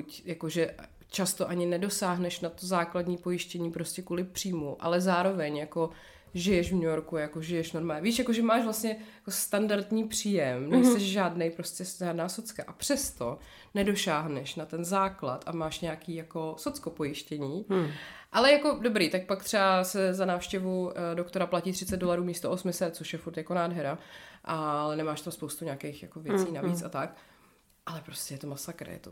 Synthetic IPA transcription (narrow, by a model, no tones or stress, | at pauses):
kucjakoʒɛ | t͡ʃast̪oʔaɲɪnɛdo̞saːɦnɛʃnat̪ozaːkladɲiːpo̞jɪʃcɛɲiːpɾo̞scɛkuːlɪpr̝̥iːmuʔa̰lɛzaːɾo̞vɛɲjako̞ | ʒɪjɛʃvɲujoɾkujakoʒɪjɛʃnoɾmaːɲɛviːʃjakoʒɛmaːʃvlastɲɛjakost̪andaɾt̪ɲiːpr̝̥iːjɛmnɛjsɛʃʒaːdnɛjpɾoscʲɛʒaːdnaːsot͡skaʔapr̝̥ɛst̪o̞ | nɛdo̞ʃaːɦnɛʃnat̪ɛnzaːklat̪ʔamaːʃɲɛakiːjako̞sot͡skopo̞jɪʃcɛɲiːʔalɛjako̞dobɾiːt̪ak̚pak̚t̪r̥ɛasɛzanaːfʃcɛvudokt̪o̞ɾaplaciːt̪r̝ɪt͡sɛt̪̚do̞laɾuːmiːst̪oʔosmɪsɛt̪̚t͡soʃjɛfuɾt̪jako̞naːdɦɛɾaʔalɛnɛmaːʃt̪amspo̞wst̪uɲaːkejxjako̞vjɛt͡siːnaviːt͡sʔat̪ak | ʔalɛpɾoscʲɛjɛt̪o̞masakɾɛ̰jɛ̰t̪o